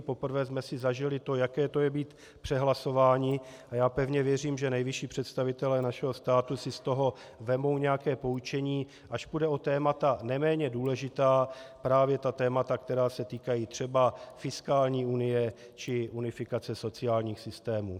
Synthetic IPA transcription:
po̞pr̩vɛːzmɛsɪzaʒɪlɪt̪o̞jakɛːt̪o̞jɛbiːt̪ | pr̥ɛɦlaso̞vaːɲɪajaːpɛvɲɛvjɛr̝iːmʒɛnɛjvɪʃiːpr̥ɛt̪st̪avɪt̪ɛlɛːnaʃɛɦo̞st̪aːt̪usɪst̪o̞ɦo̞ | vɛmo̞wɲɛjakɛːpo̞ut͡ʃɛɲiː | ʔaʃpudɛo̞t̪ɛːmat̪anɛmɛːɲɛduːlɛʒɪt̪aːpɾaːvjɛt̪at̪ɛːmat̪akt̪ɛɾaːsɛt̪iːkajiːt̪r̝̥ɛbafɪskaːlɲiːunɪjɛ | t͡ʃɪʔunɪfɪkat͡sɛso̞t͡sɪaːlɲiːxsɪst̪ɛːmuː

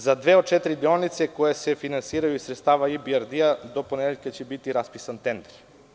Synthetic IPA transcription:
zad̪ʋeot̪̚t͡ʃɛt̪ɾid̪ionit̪sɛkojesefinansiɾajuisɾɛt̪st̪aʋaibiaɾd̪iad̪oponɛd̪eʎʲkat͡ɕɛbit̪iɾaspisant̪ɛnd̪ɛɾ

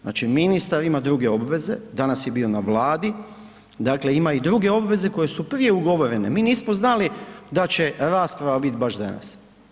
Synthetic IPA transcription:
zna̰ːt͡ʃiminist̪aɾimad̪ɾuɡe̞o̞bʋe̞zed̪anasje̞biːo̞naʋlˠaːd̪i | d̪akle̞imaid̪ɾuɡe̞o̞bʋe̞ze̞ko̞je̞suprɾije̞uɡo̞ʋo̞ɾe̞ne̞miːniːsmoznalid̪at͡ɕe̞ɾaːspɾaʋabit̪baʃd̪a̰na̰s

